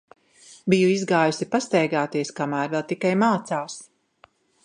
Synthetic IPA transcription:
bijuizɡaːjusipast̪ɛjɡaːt̪iɛskamæːɾvɛlˠt̪ikajmaːt̪saːws

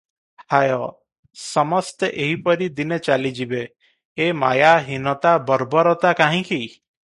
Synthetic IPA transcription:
hajɔ | sɔmɔst̪eʔeɦipɔɾid̪inet͡ʃalid͡ʒibeː | majaɦinɔt̪abɔɾbɔɾɔt̪akaɦĩki

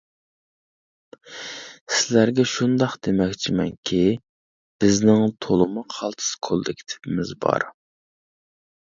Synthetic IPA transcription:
sɪlæɾɡʲɛʃund̪ɑqd̪̥emɛkʲt͡ʃʰimɛ̰nkʲʰi | b̥ɪznɪŋt̪ʰolˠɨmuqʰɑlˠt̪ʰɨ̥skʰolˠd̪ɪkʲʰt̪ʰɪ̥pɪmɪzbɑ̰ɾ

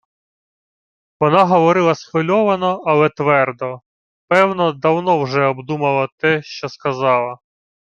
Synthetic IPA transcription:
ʋɔnɑɦɔʋɔɾɪlˠɐsxɔlʲɔʋɐnɔɐlˠɛt̪ʋɛrd̪ɔ | pɛwnɔd̪ɐwnɔwʒɛɔbd̪umɐlˠɐt̪ɛʃt͡ʃɔskɐzɑlˠɐ

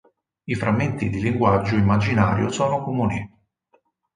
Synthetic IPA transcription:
ifɾʔamːent̪id̪iliŋɡwad͡ʒːoimːad͡ʒinaːɾjo̰sɔːnokomuːni

